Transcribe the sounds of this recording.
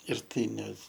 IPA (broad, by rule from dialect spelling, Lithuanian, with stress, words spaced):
ɪr ˈtɐɪ nʲɛ